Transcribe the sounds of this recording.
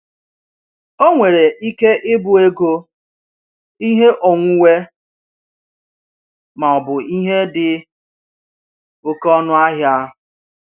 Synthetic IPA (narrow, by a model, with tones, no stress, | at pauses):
o˦ŋʷe˨ɾe˨ʔi˦ke˦ʔɪ˦bʊ˨e˦ɡo˦ | i˦ɦe˦ʔɔ˨ŋʷʊ˦we˦ | ma˨ɔ˨bʊ˨i˦ɦe˦dɪ˨ | ʊ˨kɔ˦nʊ˦a˦ɦja˦˨